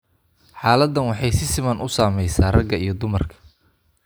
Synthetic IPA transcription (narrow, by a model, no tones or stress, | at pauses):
ħɑːlɐd̪ːɐnwɑħɑjsɪsɪmɐnʔʊsaːmɛjsaːrɐɡɐijɞd̪ʊmɐrkʰɐ̥